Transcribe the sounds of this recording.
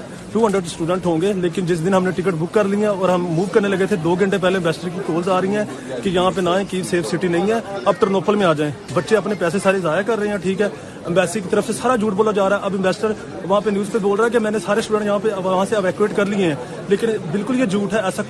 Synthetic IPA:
fʰjuːə̃ɳɖəɾsʈuːɖə̃ɳʈɦõːŋɡeːleːkɪnd͡ʒɪs̬d̪ɪnɦəmneʈɪk̬əʈbʊkːəɾlijãɔːɾɦəmːuːʋkəɾneləɡet̪ʰed̪oːɡə̃ɳʈep̬ɛːleɪ̃mbɛːsʈəɾkikoːlzaːɾəiɛ̃ː | kejɐɦãp̬enãːẽkiːʋseːfʰsɪʈinɐĩɛ̃ːɐb̚ʈəɾnoːpʰəlmẽaːd͡ʒaːẽːbətːʃeɐpnepɛːsesaːɾezaːjakəɾːəɦẽɦɛ̃ːʈʰiːkɦɛː | mbɛːsekit̪əɾəfʰsesaːɾad͡ʒuːʈ̚boːlad͡ʒaːɾaːɛʔɐbɪ̃mbɛːsʈəɾ | ʋɐɦãːpenjuːzpeboːlɾaːɦɛkemɛ̃ːnesaːɾesʈuːɖə̃ɳʈjɐɦãːpeʋɐɦãːseəʋɛːkueːʈkəɾliẽɦɛ̃ː | leːkɪnbɪlkʊljed͡ʒuːʈɦɛɛːsaː

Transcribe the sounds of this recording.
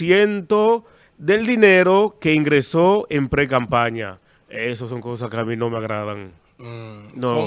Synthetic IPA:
jent̪o | ðeld̪ineɾokeiŋɡɾesoempɾekampaɲa̰ | esosoŋkos̬askeamĩnõmeaɣɾaðaŋ | no

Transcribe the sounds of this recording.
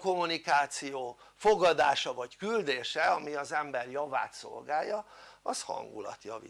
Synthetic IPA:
ko̞mːunikaːt̪sijoː | fo̞ɡɒd̪aːʃɒvɒckyld̪eːʃɛɒmiɒzɛmbɛrjɒva̰ːt̪so̞̰lɡaːjːɒɒshɒ̰ŋɡṵlɒ̰t̪jɒvḭ

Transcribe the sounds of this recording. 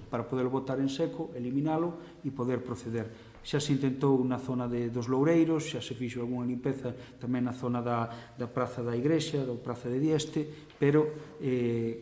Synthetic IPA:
paɾapoðeɾloβot̪aɾensekoelimĩnalo | ipoðeɾpɾoθeðeɾ | ʃaseint̪ent̪ownaθonaðeðozlowɾejɾosʃasefiʃ̬oalɣuŋalimpeθat̪amẽŋnaθonaðad̪apɾaθaðaiɣɾeʃaðapɾaθaðeðjɛst̪e | peɾoe

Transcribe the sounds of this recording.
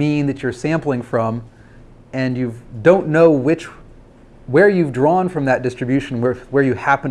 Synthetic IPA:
ĩnðɨt͡ʃə˞sæ̃mpl̩ˠɪ̃ŋfɹʌ̃m | ɨ̃njʉvdõʊ̃nːoʊwɪt͡ʃ | wə˞jʉvdɹɔ̃nfɹʌ̃mðɨt̚d̥ɪstɹ̥ɨbjʉʃn̩wə˞wə˞jɨhæpn

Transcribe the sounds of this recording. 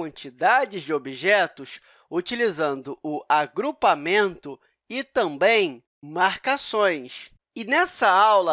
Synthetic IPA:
ɐ̃nt͡ʃid̪ad͡ʒɪzd͡ʒɪobiʒɛt̪ʊs | ut͡ʃilizɐ̃nd̪ʊʔːaɡɾupamẽnt̪ʊ | ɪt̪ɐ̃mbẽj̃ | maɾkasõj̃s | ɪnɛsɐawlɐ

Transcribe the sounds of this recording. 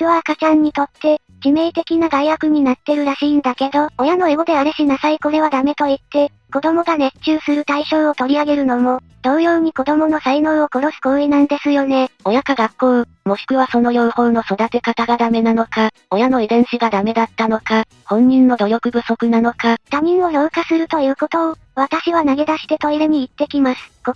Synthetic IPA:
kɯ̟βakat͡ɕãɲ̟ːit̪o̞t̪ːe̞ | d͡ʑime̞ːt̪e̞kʲinaɡaijakɯ̟ɲ̟inat̪ːe̞ɾɯ̟ɾaɕiːnd̪ake̞d̪o̞ojano̞eɡo̞d̪e̞aɾeɕinasaiko̞ɾe̞βad̪ame̞t̪o̞it̪ːe̞ | ko̞d̪o̞mo̞ɡaɾe̞t͡ɕɨːsɨɾɯ̟t̪aiɕo̞ːot̪o̞ɾʲiaɡe̞ɾɯ̟no̞mo̞ | d̪̥o̞ːjo̞ːɲ̟iko̞d̪o̞mo̞no̞saino̞o̞ko̞ɾo̞ɕi̥koɯenãnd̪e̞sɨjo̞ne̞o̞jakaɡakːo̞ː | mo̞ɕi̥kɯ̟βaso̞no̞jo̞ɯ̟hõ̞no̞so̞d̪at̪e̞kat̪aɡad̪ame̞nano̞ka | o̞jano̞ibẽ̞ɰ̃ɕiɡad̪ame̞d̪at̪ːano̞ka | hõ̞ɲ̟ːĩnːo̞d̪o̞jo̞kɯ̟ɡɯ̟so̞kɯ̟nano̞kat̪amʲĩɰ̃o̞jo̞ɯ̟kasɨɾɯ̟t̪o̞jɯːko̞t̪o̞ː | βat̪aɕiβanaɡe̞d̪aɕi̥t̪et̪o̞iɾeɲ̟iːt̪ːe̞kʲimasɨ̥ko

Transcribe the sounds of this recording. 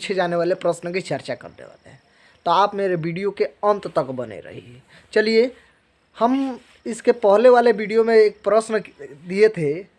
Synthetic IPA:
t͡ʃʰed͡ʒaneʋalepɾəsnket͡ʃəɾt͡ʃakə̰ɾd̪ḛʋa̰leɦɛ̃ | t̪ɔapmeɾebiɖijokeə̃nt̪t̪əkbənḛɾə̰ɦḭ | t͡ʃəlije | həm | ɪskepəɦleʋalebiɖijomeːk̚pɾəsnd̪ijet̪ɦe

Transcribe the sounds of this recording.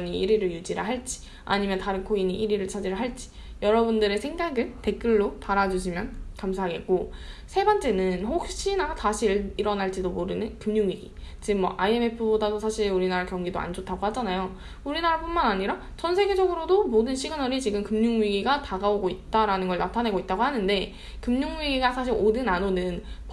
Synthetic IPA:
ɲiiɾiɾɯɭjud͡ʑiɾaɦaɭt͡ɕ͈i̥ | a̰ɲimjʌntaɾɯnkʰoiɲiʔiɾiɾɯɭt͡ɕʰad͡ʑiɾɯɦaɭt͡ɕ͈i̥ | jʌɾʌbundɯɾe̞sʰe̞ŋdaɡɯɭte̞k͈ɯɭːotaɾad͡ʑuɕʰimjʌnkamsʰaɦaɡe̞t̚k͈o | sʰe̞bant͡ɕ͈e̞nɯnɸok̚ɕ͈inataɕʰiɾiɾʌnɦaɭt͡ɕ͈idomoɾɯnɯnkɯmɲuŋɥiɡi | t͡ɕiɡɯmːʌ̰ʔaie̞me̞pʰɯbodadosʰaɕʰiɾuɾinaɾakjʌŋɡidoa̰nd͡ʑotʰaɡohad͡ʑanajo | uɾinaɾp͈unmanaɲiɾa | t͡ɕʌns̬ʰe̞ɡe̞d͡ʑʌɡɯɾodomodɯnɕʰiɡɯnʌɾit͡ɕiɡɯmkɯmɲuŋɥiɡiɡataɡaoɡoit̚t͈aɾanɯnɡʌɭnatʰane̞ɡoit͈̚aɡohanɯnde̞ | kɯmɲuŋɥiɡiɡasʰaɕ̬ʰiɾʔodɯnanonɯnp

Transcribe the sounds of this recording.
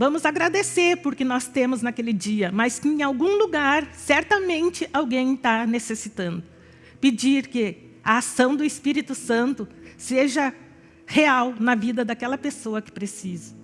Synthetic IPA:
vɐ̃mʊzaɡɾad̪eseɾpʊɾkɪnɔst̪ẽmʊznɐkelɪd͡ʒiɐmɐskɪẽj̃awɡũluɡaɾsɛɾt̪ɐmẽnt͡ʃɪʔawɡẽj̃t̪anesesit̪ɐ̃nd̪ʊ | ped͡ʒiɾkɪ | ɐːsɐ̃w̃d̪ʊɪspiɾit̪ʊsɐ̃nt̪ʊseʒɐ | heawnɐvid̪ɐd̪akɛlɐpesoɐkɪ̥pɾesizɐ

